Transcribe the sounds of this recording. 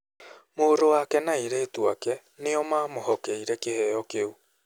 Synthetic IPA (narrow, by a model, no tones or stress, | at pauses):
moɾowakɛnaiɾɛːtwakɛ | neɔmaːmoɦɔkɛiɾɛkehɛɔkeu